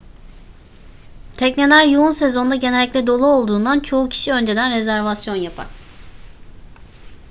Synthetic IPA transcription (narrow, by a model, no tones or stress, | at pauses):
t̪ʰɛcnelʲæɾjuunse̞zo̞nd̪aɟe̞nelʲːiclʲɛd̪o̞lˠuo̞lˠd̪uːnd̪ant͡ʃʰo̞ucʰi̥ʃiø̞nd͡ʒe̞d̪ænɾezæɾvasjo̞njapʰa̰ɾ̥